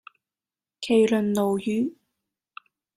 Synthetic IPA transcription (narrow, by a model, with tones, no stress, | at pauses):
kʰe˨jlɵ˨nlo˨wjyː˨˥